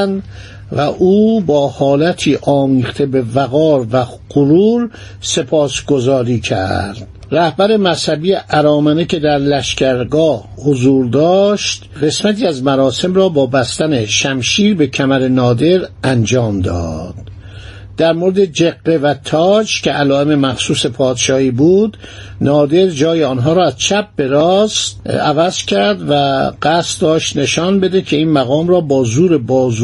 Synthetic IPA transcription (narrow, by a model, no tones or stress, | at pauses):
nd̪ | væʔuːbɒːhɒːlæt̪ʰiːʔɒːmiːχt̪ʰebe̞væɣɒːɾvæ | qoɾuːɾ | se̞pʰɒːsɡo̞zɒːɾiːcʰæ̰ɾd̪̥ | ɾæhbæɾe̞mæshæbiːeʔæɾɒːmænecʰe̞d̪æɾlæʃcæɾɡɒːhhozuːɾd̪ɒːʃt̪ɢe̞smæt̪iːæzmæɾɒːse̞mɾɒːbɒːbæst̪æneʃæmʃiːɾbe̞cʰæmæɾenɒːd̪e̞ɾʔænd͡ʒɒːmd̪ɒ̰ːd̪̥ | d̪̥æɾmoɾed̪ed͡ʒeɡːe̞væt̪ʰɒːt͡ʃcʰe̞ælɒːe̞me̞mæxsuːse̞pʰɒːd̪ʃɒːhiːbuːd̪ | nɒːd̪e̞ɾd͡ʒɒːjeɒːnɦɒːɾɔːæzt͡ʃʰæp̚be̞ɾɒːst̪ævæz̥cʲʰæɾd̪væɡæst̪d̪ɒːʃt̪ne̞ʃɒnbe̞d̪ecʰe̞iːnmæɣɒːmɾɒːbɒːzuːɾe̞bɒːz